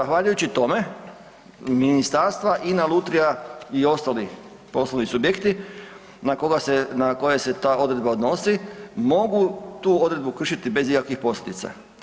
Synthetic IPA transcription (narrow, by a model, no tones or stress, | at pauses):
zaxʋaʎujut͡ɕit̪o̞me̞ | minist̪aɾst̪ʋaʔinalˠut̪ɾijaio̞st̪ali | po̞sloʋnisubjekt̪i | nako̞ɡasenako̞je̞se̞t̪aːo̞d̪ɾe̞d̪baod̪no̞simo̞ɡut̪uːo̞d̪ɾe̞d̪bukr̩ʃit̪ibe̞zikakʋixpo̞slʲed̪it̪sa̰